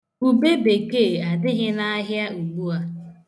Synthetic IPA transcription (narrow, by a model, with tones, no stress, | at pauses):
u˨be˦be˨ke˦˨a˨dɪ˦ɦɪ˦na˦ɦja˦u˨ɡ͡bu˦a˦